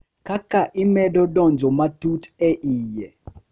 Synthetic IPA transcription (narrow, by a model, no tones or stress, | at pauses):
kakaʔɪmɛdɔdɔnd͡ʒomatutɛʔijɛ